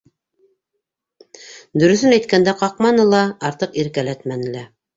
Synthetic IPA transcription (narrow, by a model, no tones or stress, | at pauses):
d̪ɵ̆ɾɵ̆θɵnæjt̪̚kænd̪æqɑqmɑnɤlˠɑːɾt̪ɤqiɾkælæt̪mænɘ̆læ